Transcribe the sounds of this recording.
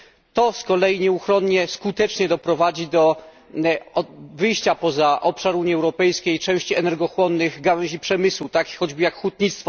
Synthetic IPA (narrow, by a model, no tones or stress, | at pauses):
t̪ɔskɔlɛjiɲɛuxɾɔnɲɛskut̪ɛt͡ʂɲɛd̪ɔpɾɔvad͡ʑid̪ɔ | vɘjɕt͡ɕapɔzaʔɔpʂaɾuɲiɛwɾɔpɛjskʲejt͡ʂɛ̃w̃ɕt͡ɕiɛnɛɾɡɔxwɔnːɘɣɡawɛ̃ʑipʂɛmɘswut̪akʲi̥xɔd͡ʑbɘjakxwut̪̚ɲit̪st̪fɔ